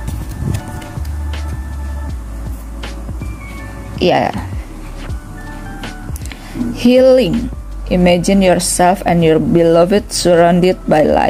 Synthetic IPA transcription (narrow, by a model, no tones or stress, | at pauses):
ja̰ | hiliŋ | ʔimɛd͡ʒinjɔrsɛlfɛ̃njɔrbilɔvət̚suɹãndɪd̚bajla̰